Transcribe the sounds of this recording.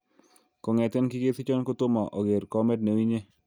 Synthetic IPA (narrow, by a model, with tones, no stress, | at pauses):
ko˨ŋɛ˨tɪ˦nkɪ˦ɡe˦sɪ˦t͡ʃɔ˦nko˦tʊ˦mɔ˨ʔɔ˨ɡe˨ɾkɔ˦mɛ˦dne˨wi˦ɲe˦